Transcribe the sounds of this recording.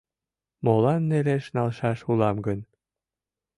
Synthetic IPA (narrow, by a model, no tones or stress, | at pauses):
molɑnːeleʃnɑlˠʃɑʃulɑmɡə̆n